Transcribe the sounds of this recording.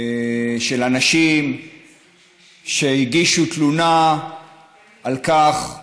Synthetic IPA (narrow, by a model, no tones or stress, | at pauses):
ʃe̞lanaʃim | ʃehiɡiʃutluna | ʔalkaχ